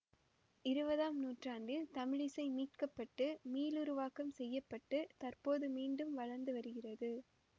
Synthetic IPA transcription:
ɪɾɯbɐðaːmnuːʈraːndɯt̪ɐmɪɻɪsɐɪmiːʈ̚kɐpːɐʈːɯmiːlʊɾʊʋaːkɐmsɛjːɐpːɐʈːɯt̪ɐrpoːðɯmiːɳɖɯmʋɐɻɐɾnd̪ɯʋɐɾɯɣɪrɐðɯ

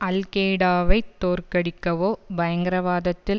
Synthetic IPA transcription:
ʔɐlkeːɽaːʋɐɪt̪ːoːrkɐɽɪkːɐʋoːbɐjɐŋɡɐɾɐʋaːðɐt̪ːɪl

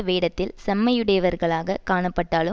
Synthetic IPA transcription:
ɐʋeːɽɐt̪ːɪlsɐmːɐjɯɽɐjɐʋɐɾɣɐɭaːɣɐkaːɳɐpːɐʈːaːɭɯ

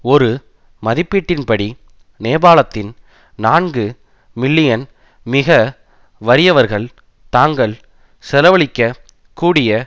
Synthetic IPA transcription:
ɔɾɯ | mɐðɪpːiːʈːɪnpɐɽi | neːbaːlɐt̪ːɪn | naːɳɡɯ | mɪɭːɪjɐn | mɪɣɐ | ʋɐɾɪjɐʋɐɾɣɐɭ | t̪aːŋɡɐɭ | sɛlɐʋɐɭɪkːɐ | kuːɽɪjɐ

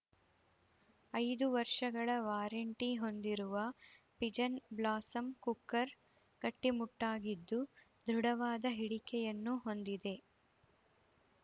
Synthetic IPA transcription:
ɐjd̪uʋɐɾʂɐɡɐɭɐʋaːɾɐɳʈiɦo̞nd̪iɾuʋɐ | pid͡ʒɐnblaːsɐmkukːɐɾ | ɡɐʈːimuʈːaːɡid̪ːu | d̪ʱɾuɽɐʋaːd̪ɐɦiɽikɛjɐnːuɦo̞nd̪id̪e̞

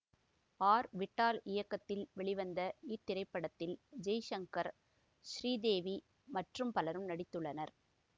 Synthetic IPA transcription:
aːɾʋɪʈːaːlɪjɐkːɐt̪ːɪlʋɛɭɪʋɐnd̪ɐiɾt̪ɪɾɐɪpːɐɽɐt̪ːɪld͡ʒɐjʂɐŋkɐɾ | ʃɾiːd̪eːʋi | mɐʈrɯmpɐlɐɾɯmnɐɽɪt̪ːɯɭːɐnɐɾ

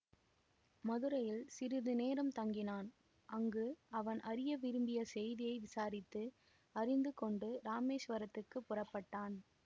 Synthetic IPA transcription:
mɐðɯɾɐjɪlsɪɾɯðɯneːɾɐmt̪ɐŋɡɪnaːn | ʔɐŋɡɯɐʋɐnʔɐɾɪjɐʋɪɾɯmbɪjɐsɛjðɪjɐɪʋɪsaːɾɪt̪ːɯ | ɐrɪnd̪ɯkɔɳɖɯɾaːmeːʂʋɐɾɐt̪ːɯkːɯpːʊrɐpːɐʈːaːn

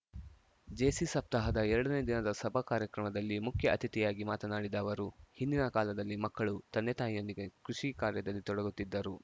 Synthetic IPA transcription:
d͡ʒeːsisɐp̚t̪ɐɦɐd̪ɐɛɾɐɽɐned̪inɐd̪ɐsɐbʱɐkaːɾjɐkɾɐmɐd̪ɐlːimukʰjɐʔɐt̪ʰit̪ijaːɡimaːt̪ɐnaːɽid̪aːʋɐɾuhind̪inɐkaːlɐd̪ɐlːimɐkːɐɭut̪ɐnːɛt̪aːjjo̞nd̪iɡe̞kɾuʂikaːɾjɐd̪ɐlːit̪ɔɽɐɡut̪ːid̪ːɐɾu

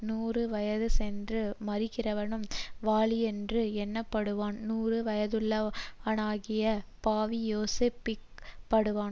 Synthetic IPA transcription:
nuːrɯʋɐjɐðɯsɛndrɯmɐrɪkːɪrɐʋɐnɯmʋaːɭɪɛndrɯɛnːɐpːɐɽɯʋaːnnuːrɯʋɐjɐðɯɭːɐɐnaːɣɪjɐpaːʋijoːsepːɪk | pɐɽɯʋaː

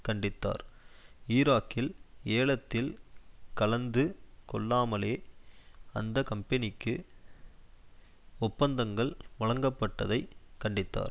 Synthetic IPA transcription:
kɐɳɖɪt̪ːa̰ːɾiːɾaːkːɪleːɭɐt̪ːɪlkɐlɐnd̪ɯkɔɭːaːmɐleː | ɐ̰nd̪ɐkɐmpɐnɪkːɯ | ɔpːɐnd̪ɐŋɡɐɭʋɐɻɐŋɡɐpːɐʈːɐðɐɪkɐɳɖɪt̪ːa̰ːɾ

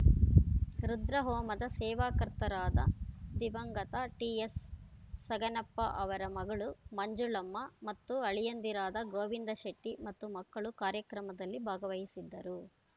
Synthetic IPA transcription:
ɾud̪ɾɐɦɔːmɐd̪ɐsɛːʋaːkɐɾt̪ɐɾaːd̪ɐ̰d̪iʋɐŋɡɐt̪ɐʈiːesː | ɐɡɐnɐpːɐʔɐʋɐɾɐmɐɡɐɭumɐɲd͡ʒuɭɐmːɐmɐt̪ːuɐɭijɐnd̪iɾaːd̪ɐɡoːʋind̪ɐʃeʈːimɐt̪ːumɐkːɐɭukaːɾjɐkɾɐmɐd̪ɐlːibʱaːɡɐʋɐjisid̪ːɐɾu

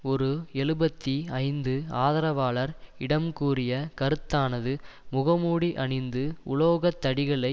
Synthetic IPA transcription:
ɔɾɯɛɭɯbɐt̪ːiɐɪnd̪ɯaːðɐɾɐʋaːɭɐɾɪɽɐmkuːrɪjɐkɐɾɯt̪ːaːnɐðɯ | mʊɣɐmuːɽiʔɐɳɪnd̪ɯʊ̰loːɣɐt̪ːɐɽɪɣɐɭɐɪ

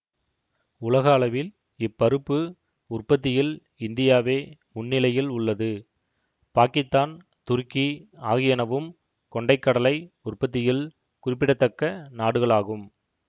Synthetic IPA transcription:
ʊlɐɣɐːlɐʋɪl | ɪpːɐɾɯpːɯ | ʊrpːɐt̪̬ːɪjɪl | ɪnd̪ɪjaːʋeːmʊnːɪlɐjɪlʊɭːɐðɯ | paːkɪst̪aːn | t̪ʊɾkiaːɣɪjɐnɐʋɯm | kɔɳɖɐɪkːɐɽɐlɐɪ | ʊrpːɐt̪̬ːɪjɪl | kʊrɪpːɪɽɐt̪ːɐkːɐnaːɽɯɣɐɭaːɣɯm

